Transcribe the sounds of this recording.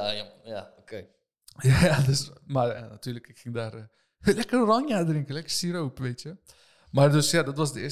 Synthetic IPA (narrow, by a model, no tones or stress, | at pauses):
jajaokej | jajadøsmarjanatyːləkɪkxɪŋdaːr | lɛkərrɔŋjaːdrɪŋkəlɛkərsiɾowpʋejtjə | mardøsjadɔtʋɑsdəɪ